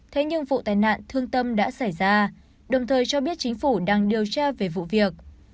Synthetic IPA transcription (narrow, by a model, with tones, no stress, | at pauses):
t̪ʰe˨˦ɲɨ˧ŋvṵ˧˨t̪aː˨˩jna̰ː˧˨nt̪ʰɨ˧əŋt̪ə˧mɗa̰ː˧˥sa˧˩jzaː˧ | ɗə˨˩wŋ͡mt̪ʰəː˨˩jt͡ɕɔ˧ɓi˦˥ət̚t͡ɕi˨˦ŋ̟fu˧˩ɗaː˧ŋɗi˨˩əwt͡ɕaː˧ve˨˩vṵ˧˨vi˨˩ək̚